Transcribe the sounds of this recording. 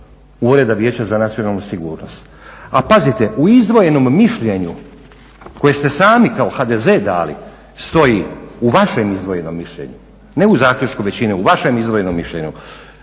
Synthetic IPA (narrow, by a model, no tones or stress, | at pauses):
uɾe̞d̪aʋjeːt͡ɕazanat̪sio̞nalˠnusiɡuːɾno̞st̪ | apazit̪e̞ʔuizd̪ʋo̞je̞no̞mːiʃʎe̞ɲu | ko̞jest̪e̞saːmikao̞xad̪eze̞d̪a̰ːlḭ | st̪o̞jiuʋaʃe̞mizd̪ʋo̞je̞no̞mːiʃʎe̞̰ɲu | ne̞uzaːxʎʲut͡ʃkuʋe̞t͡ɕineuʋaʃe̞mizd̪ʋo̞je̞nomːiʃʎeɲṵ